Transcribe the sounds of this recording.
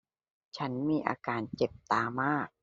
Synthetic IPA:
t͡ɕʰa˦˥nmiː˧ʔa̰ː˧kaː˧nt͡ɕe˨˩p̚t̪aː˧maː˥˩k̚

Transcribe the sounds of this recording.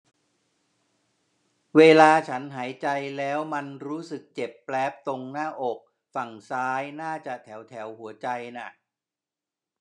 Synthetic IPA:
weː˧laː˧t͡ɕʰa˦˥nɦaː˩˦jt͡ɕa˧jlɛː˦˥wma˧nɾuː˦˥sɯ˨˩k̚t͡ɕe˨˩pːlɛː˦˥p̚t̪o˧ŋnaː˥˩ʔo˨˩k̚ | fa˨˩ŋsaː˦˥jnaː˥˩t͡ɕa˨˩t̪ʰɛː˩˦wt̪ʰɛ˩˦wɦu˩˦ɐt͡ɕa˧jna˨˩ʔ

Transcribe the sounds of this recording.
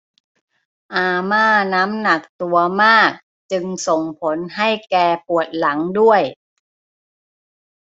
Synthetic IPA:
ʔaː˧maː˥˩naː˦˥mna˨˩k̚t̪u˧ɐmaː˥˩k̚ | t͡ɕɯ˧ŋso˨˩ŋpʰo˩˦nɦa˥˩jkɛː˧pu˨˩ət̪̚la˩˦ŋdu˥˩əj

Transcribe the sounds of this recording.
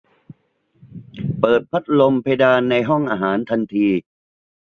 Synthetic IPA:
pɤː˨˩t̪̚pʰa˦˥t̪̚lo˧mpʰa˧jdaː˧nːa˧jɦɔ˥˩ŋʔaː˧ɦaː˩˦nt̪ʰa˧nt̪ʰiː˧

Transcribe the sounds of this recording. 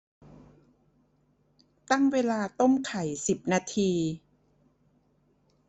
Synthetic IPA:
t̪a˥˩ŋweː˧laː˧t̪o˥˩mkʰa˨˩˦jsi˨˩p̚naː˧t̪ʰiː˧

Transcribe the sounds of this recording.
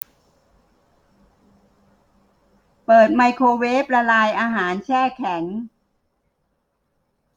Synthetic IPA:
pɤː˨˩t̪̚ma˧jkʰoː˧weː˦˥p̚ɾa˧laː˧jʔaː˧ɦaː˩˦nt͡ɕʰɛː˥˩kʰɛ˩˦ŋ

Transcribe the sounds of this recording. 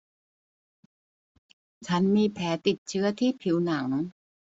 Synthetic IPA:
t͡ɕʰa˦˥nmiː˧pʰɛː˩˦t̪i˨˩t̪̚t͡ɕʰɯ˦˥ɐt̪ʰiː˥˩pʰi˩˦wna˩˦ŋ

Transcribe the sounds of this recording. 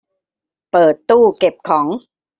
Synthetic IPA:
pɤː˨˩t̪ːuː˥˩ke˨˩p̚kʰɔː˩˦ŋ

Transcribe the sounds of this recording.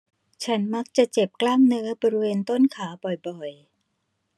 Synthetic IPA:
t͡ɕʰa˦˥nma˦˥k̚t͡ɕa˨˩t͡ɕe˨˩p̚klaː˥˩ŋnɯː˦˥ɐbɔː˧ɾi˦˥weː˧nt̪o˥˩nkʰaː˩˦bɔ˨˩jbɔ˨˩j

